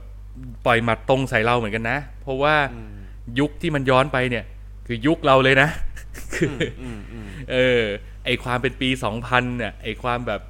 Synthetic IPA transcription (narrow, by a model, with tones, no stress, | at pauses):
pɔ˨˩jma˨˧˩t̪o˧ŋsa˩˦jɾa˧wmɯ˩˦nka˧nːa˦˥ʔ | pʰɾɔ˦˥waː˥˩ | ju˦˥k̚t̪ʰiː˥˩ma˧njɔː˦˥npa˧jni˥˩ɐ | kʰɯː˧ju˦˥k̚ɾa˧wlɤː˧jna˦˥ʔ | kʰɯː˧ | ʔɤː˧ | ʔa˥˩jkʰwaː˧mpe˧npiː˧sɔː˩˦ŋpʰa˧nːi˥˩ɐʔa˨˩jkʰwaː˧mbɛː˨˩p̚